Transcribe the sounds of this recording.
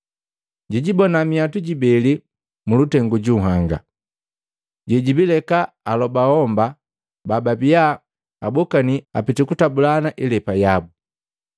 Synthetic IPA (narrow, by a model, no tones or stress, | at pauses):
ɟiɟibɔnamiatuɟibɛli | mulutɛŋɡuɟuɦaŋɡa̰ | ɟɛɟibilɛka | alɔbahɔmba | bababija | abɔkaniapitikutabulanaʔilɛpajabu